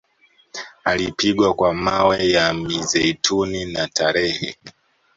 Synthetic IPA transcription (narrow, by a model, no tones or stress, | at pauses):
alipiɠwakwamawɛjamizɛitʰuninatʰaɾɛhɛ̰